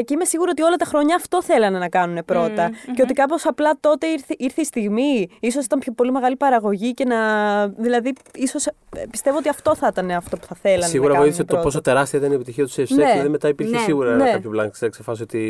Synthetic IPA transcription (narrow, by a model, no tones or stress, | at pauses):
ceime̞siɣuɾo̞t̪io̞lɐt̪ɐxɾo̞ɲɐːft̪o̞θe̞lɐnenɐkɐnune̞pɾo̞t̪ɐceo̞t̪ikɐpo̞sɐplɐt̪o̞t̪e̞iɾθeiɾθeist̪iɣmiiso̞si̥t̪ɐmpçopo̞lime̞ɣɐlipɐɾɐɣo̞ʝice̞nɐðilɐðiiso̞spi̥st̪e̞voot̪iɐft̪o̞θit̪ɐne̞ɐft̪o̞pu̥θɐθe̞lɐnsiɣuɾɐoiθiseoposot̪e̞ɾɐst̪iɐit̪ɐniepit̪içiɐt̪u̥siefseeðilɐðime̞t̪ɐipiɾçesiɣuɾɐeɐçoplɐnɐsɐksefɐsiot̪i